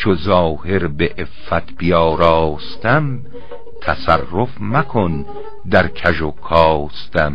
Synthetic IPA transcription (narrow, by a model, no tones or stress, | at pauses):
t͡ʃʰozɒːheɾbeʔefːæt̪ʰb̥ijɒːɾɑɒːst̪æm | t̪ʰæsærːofmækʰon | d̪æɾkʰæʒokʰɒːst̪æm